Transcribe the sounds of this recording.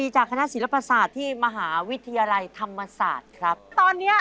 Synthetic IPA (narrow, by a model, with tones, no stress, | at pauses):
iː˧t͡ɕaː˨˩kʰa˧na˦˥si˨˩˦la˦˥pa˧saː˨˩t̪ʰːiː˥˩ma˧ɦaː˩˦wi˦˥t̪ʰa˧jaː˧la˧jt̪ʰa˧mːa˧sa̰ː˨˩t̪̚kʰɾa˦˥p̚t̪ɔː˧nːi˦˥ɐ